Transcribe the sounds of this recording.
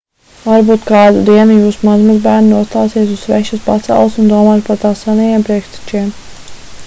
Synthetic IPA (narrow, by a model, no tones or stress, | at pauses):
vaɾbuːt̪kɑːd̪ud̪iɛnujuːsumazmazbæːɾninuɔst̪aːsiɛsuz̥vɛʃuspat̪sɛ̰lˠsund̪uɔmaːt̪̚paɾt̪aːsːanɛjɛmpɾiɛkʃt̪ɛ̥t͡ʃiɛm